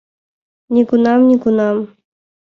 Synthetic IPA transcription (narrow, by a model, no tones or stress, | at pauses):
nʲikunɑmnʲikunɑm